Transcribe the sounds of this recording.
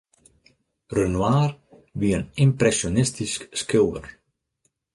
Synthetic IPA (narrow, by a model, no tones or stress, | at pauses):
rənwaːr | ʋiənimprɛsjonɪstiskskɪwə̰r